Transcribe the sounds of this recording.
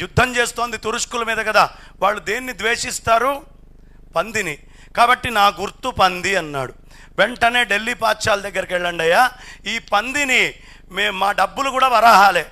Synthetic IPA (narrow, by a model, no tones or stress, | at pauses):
jud̪ʱːɐmt͡ʃe̞ːst̪o̞ːnd̪it̪uɾuʂkulɐmiːd̪ɐkɐd̪aː | ʋaːɭːud̪eːnːid̪ʋe̞ːʂist̪aːɾu | pɐnd̪ini | kaːbɐʈːinaːɡuɾt̪upɐnd̪iɐnːa̰ːɽu | ʋeɳʈɐne̞ːɖe̞lːipaːtʃaːlud̪ɐɡːɐɾɐkɛɭːɐɳɖɐjːaːiːpɐnd̪ini | meːmmaːɖɐbːulukuːɽaːʋɐɾaːɦaːle̞ː